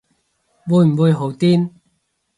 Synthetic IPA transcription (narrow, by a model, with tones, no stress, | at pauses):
wuː˨˧jm̩˨˩wuː˧jɦo˨˥wt̪iː˥n